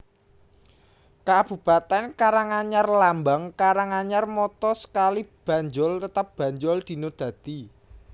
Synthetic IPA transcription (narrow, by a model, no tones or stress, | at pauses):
kab̥ṳpat̪ɛnkaɾaŋaɲarlambaŋkaɾaŋaɲarmɔt̪ɔsə̥kalib̥ä̤ɲd͡ʒʊlt̪ət̪əp̚b̥ä̤ɲd͡ʒʊld̪̥i̤nod̪̥ä̤t̪i